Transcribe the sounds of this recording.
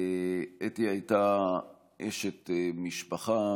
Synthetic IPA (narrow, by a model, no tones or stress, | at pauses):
etihajt̪a | ʔeʃet̪miʃpaχa